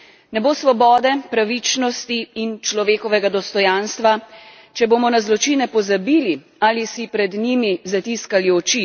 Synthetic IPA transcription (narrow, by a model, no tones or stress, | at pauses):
nɛboːsʋɔbɔːd̪ɛpɾaʋit͡ʃnɔst̪iːnt͡ʃlɔʋeːkɔʋɛɡad̪ɔst̪ɔjaːnst̪ʋa | t͡ʃɛboːmɔnazlɔt͡ʃinɛpɔzabili | aːlisipɾɛd̪nimizat̪iskaliɔt͡ʃi